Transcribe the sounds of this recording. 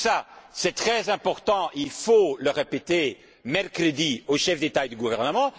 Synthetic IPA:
sasɛt̪χɛzɛ̃pɔʁt̪ɑ̃ilfoləʁepet̪e | mɛlkχəd̪ioʃɛfd̪et̪aed̪yɡuvɛʁnəmɑ̃

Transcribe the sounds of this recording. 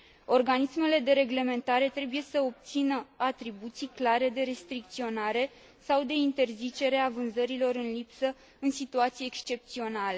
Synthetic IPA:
o̞rɡanisme̞le̞d̪e̞ɾe̞ɡle̞me̞nt̪aɾe̞t̪ɾe̞buje̞səo̞p̚t̪sinəat̪ɾibut̪sijklaɾe̞d̪e̞ɾe̞st̪ɾik̚t̪sio̞naɾe̞ | sawd̪e̞int̪e̞rzit͡ʃe̞ɾe̞avɨnzəɾilo̞ɾɨnlipsə | ɨnsit̪uat̪sijeekst͡ʃe̞p̚t̪sio̞nale

